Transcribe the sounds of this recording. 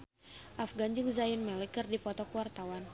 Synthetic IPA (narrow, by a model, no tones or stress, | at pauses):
ʔafɡaɲd͡ʒɨŋzainmɛlikərdipɔt̪ɔkuwart̪awan